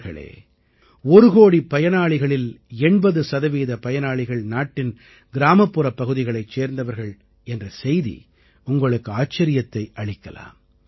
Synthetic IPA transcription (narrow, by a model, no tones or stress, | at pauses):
ɣɐ̰ɭḛː | ɔɾɯɣoːɽipːɐjɐnaːɭɪɣɐɭɪl | ɛɳbɐðɯsɐðɐʋiːðɐpɐjɐnaːɭɪɣɐɭnaːʈːɪn | ɡɪɾaːmɐpːɯɾɐpːɐɣɯðɪɣɐɭɐɪt͡ʃːeːɾnd̪ɐʋɐɾɣɐɭ | ɛndrɐsɛjðḭ | ʊŋɡɐɭɯkːɯaːt͡ʃːɐɾɪjɐt̪ːɐɪʔɐɭɪkːɐ̰la̰ːm